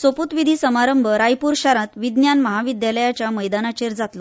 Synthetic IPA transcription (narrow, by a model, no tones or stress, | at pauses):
soput̪ʋid̪ʱisəmaɾəmbʱəɾajpuːɾɕaɾãt̪ʋid̪njanməɦaʋid̪jaləjat͡ɕjaməjd̪anat͡ɕeɾd͡zat̪lo